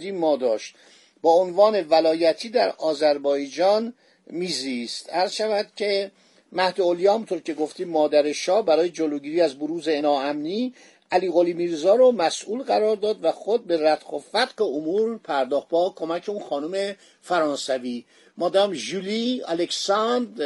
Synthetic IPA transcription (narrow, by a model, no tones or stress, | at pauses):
d̪iːmɒːd̪ɒːʃt̪ | bɒːonvɒːne̞vælɒːjæt̪ʰiːd̪æɾɒːzæɾbɒːjd͡ʒɒːn | miːzist̪æɾzʃævæd̪cʰe̞ | mæhd̪eoljɒːhæmunt̪ʰoɾcʲʰe̞ɡoft̪iːmːɒːd̪æɾeʃɒːbæɾɒːje̞d͡ʒoloːɟiːɾiːæzboɾuːzenɒːæmniː | ʔæliːɣoliːmiːɾzɒːɾomæsʔuːlɣæɾɒːɾd̪ɒːd̪væxod̪̚be̞ɾæt̪qofæd̪ɢeomuɾpʰæɾd̪ɒːχt̪̚bɒːkʰo̞mæcʰe̞unxɒːnume̞ | fæɾɒːnsæviː | mɒːd̪æɾæmʒuliæ̰leksɑnd̪